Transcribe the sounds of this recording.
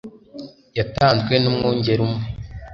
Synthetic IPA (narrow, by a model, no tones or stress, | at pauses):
jataːnzɡwenumŋoːɲɟe̞ɾumŋe